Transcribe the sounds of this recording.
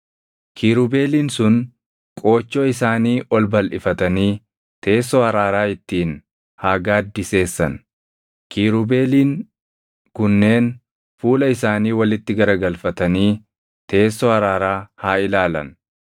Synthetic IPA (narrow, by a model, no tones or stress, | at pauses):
kʰiːɾʊbe̞ːliːnsʊn | kʼo̞ːt͡ʃːoːɪs̬aːniːʔɔlbɐlʔɪfɐt̪ɐniː | t̪ʰe̞ːsːɔhɐɾaːɾaːɪt̪ːiːn | haːɡaːd̪ːɪse̞ːsːɐ̰n | kʰiːɾʊbe̞ːliːŋ | kʊnːe̞ːn | fuːlɐɪsaːniːwɐlɪt̪ːɪɡɐɾɐɡɐlfɐt̪ɐniː | t̪ʰe̞ːsːɔhɐɾaːɾaːhaːɪlaːlɐ̰n